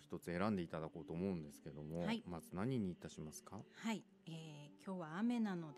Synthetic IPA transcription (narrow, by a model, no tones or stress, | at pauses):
çi̥t̪o̞t͡sɨe̞ɾãnd̪e̞it̪ad̪ako̞ːt̪o̞ːmo̞ɯ̟̃nd̪e̞sɨ̥ke̞d̪o̞mo̞haimazɨnaɲ̟iɲ̟iːt̪ːaɕimasɨ̥kahai | eːkʲʰo̞ːβaːme̞nano̞d̪